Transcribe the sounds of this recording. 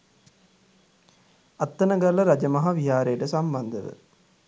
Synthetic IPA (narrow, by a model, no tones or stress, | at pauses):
ɐt̪ːɐnɐɡɐlːɐɾɐd͡ʒɐmɐɦɐʋiɦaːɾejʈəsɐmbɐnd̪ɐʋə̰